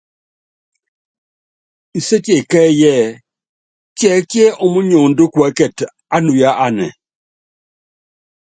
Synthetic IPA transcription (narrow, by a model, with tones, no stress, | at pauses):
i˨se˦ti˦e˨kɛ˦jɛ˦˨ | tjɛ˨˦ki˦ɛ˦ʔo˦mu˦ɲo˨n̩do˦kwɛ˨˦kɛ˨t | a˦nu˨ja˦ʔa˦˨nɛ̰˨